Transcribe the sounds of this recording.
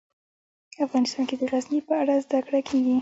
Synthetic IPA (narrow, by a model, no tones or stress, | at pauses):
afɣɑnɪst̪ɑnked̪əɾazmipəaɽazd̪akɽakʰeɡi